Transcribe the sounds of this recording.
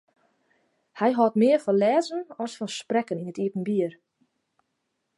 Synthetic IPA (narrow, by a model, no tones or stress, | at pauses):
hɛjɦɔtmɪːərfɔlɛːzənɔsfɔsprɛkəninətiətn̩biər